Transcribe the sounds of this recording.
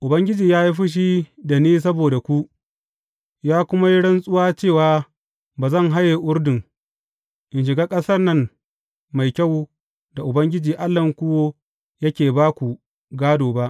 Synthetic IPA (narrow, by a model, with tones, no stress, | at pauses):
ʔʊ˨bɐ˦ŋɡʲɪ˦d͡ʒiː˨jaː˦ji˦ɸɪ˦ʃ̬i˦da˨neː˦s̬ɐ˦boː˨da˨kʷu˦ʔ | jaː˦kʷʊ˦ma˦ji˦ɽɐ˦nsʼʊ˦waː˦t͡ʃeː˦˨waː˨ | baː˨zɐ˦˨ŋɦa˦jːeː˨ʔʊ˦rdɪ˨ŋ | ʔɪ˨nʃ̬ɪ˨ɡaː˦kʼɐ˦sɐ˦rnɐ˦ŋ | ma˨jkʲa˦˨w | da˨ʔʊ˨bɐ˦ŋɡʲɪ˦d͡ʒiː˨ʔa˦lːɐ˨ŋkʷʊ˦woː˦ | jɐ˦kʲeː˨baː˦kʷu˨ | ɡaː˦doː˨ba˦ʔ